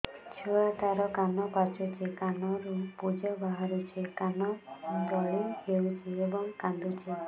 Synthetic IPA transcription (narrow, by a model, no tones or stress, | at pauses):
t͡ʃʰuat̪aɾɔkanɔpat͡ʃɔt͡ʃekanɔɾupud͡ʒɔbaɦaɾut͡ʃʰekanɔd̪ɔɭid͡ʒewt͡ʃʰiebɔŋkand̪ut͡ʃʰe